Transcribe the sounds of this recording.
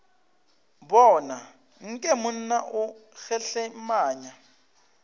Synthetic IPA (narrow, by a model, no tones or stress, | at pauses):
bɔːna | ŋ̩kʼɛmʊn̩naʔʊɣɛɬɛmaːɲa